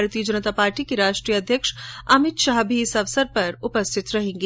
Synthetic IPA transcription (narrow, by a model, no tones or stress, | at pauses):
ɾt̪ijəd͡ʒɐnət̪aːpaːɾʈikeɾaːʃʈɾijəɐd̪ʱjəkʃɐmɪt̪ʃaːɦbʱiɪsɐʋsəɾpɐɾʊpəst̪ʰɪt̪ɾɐɦẽːŋɡi